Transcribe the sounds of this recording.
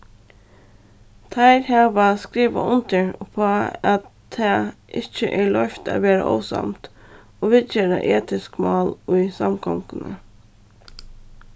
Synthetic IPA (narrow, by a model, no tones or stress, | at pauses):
t̪ʰɑɪɾhɑːʋɑskɾiːʋa̰ʊnt̪əɹpʰoːɑt̪ʰːɑːʔɪt͡ʃəʔæːɭœçt̪ɑ̰ːʋeːɾa̰ʔo̰ːsɑ̰mt̪ | oːʋɪd̪jeːɾɑ̰ʔeːt̪ɪskmɑːlʊɪsɑmkʰɔŋkənə̰